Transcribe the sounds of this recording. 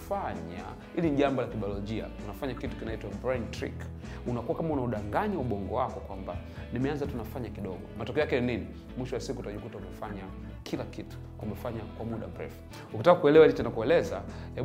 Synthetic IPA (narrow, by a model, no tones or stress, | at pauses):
faɲa̰ | hiliniʄambɔlakiɓiɔlɔʄia̰unafaɲakitu̥kinaitwabɾantɾḭk | unakuwakamaunauɗaŋɡaɲauɓɔŋɡɔwakɔkwamba | nimɛanzatunafaɲakiɗɔɠɔmatɔkɛɔjakɛninini | mwiʃɔwasikutaʄukutaumɛfaɲa | kʰilakitu̥ | umɛfaɲakwamuɗa̰m̩ɾɛ̰fu̥ | ukitakakuɛlɛwailit͡ʃɛnakuɛlɛzahɛ